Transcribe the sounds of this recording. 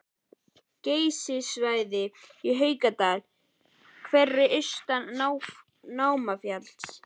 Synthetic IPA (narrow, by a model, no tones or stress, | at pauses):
ceːjsɪsvaːjðɪiɦœːɥkat̪aːl | kʰvɛrːɪʔʏɥst̪anaw | naːwmafjal̥s